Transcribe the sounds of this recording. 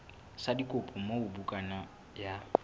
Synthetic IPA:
sadikʼʊpʼɔmoʊbukʼana | ja

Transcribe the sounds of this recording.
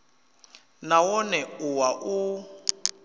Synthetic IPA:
nawɔnɛuwaʔu

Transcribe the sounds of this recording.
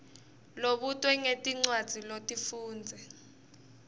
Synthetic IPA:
loɓutʼwɛŋetʼiŋ͡ǀwad̥z̥ʱilotʼifuːnd͡zʱɛ

